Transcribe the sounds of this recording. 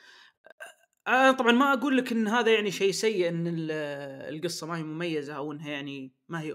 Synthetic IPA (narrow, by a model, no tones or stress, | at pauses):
ʔaat̪ˤɑbʕɑnmaʔaɡuːlːɪkʔɪnːɦaːðajaʕniʃejːsajːɪʔɪnːɪ̰ | lɡɨsˤːɑmaːhimʊmajːazaʔawʔɪnːɦajaʕni | mahi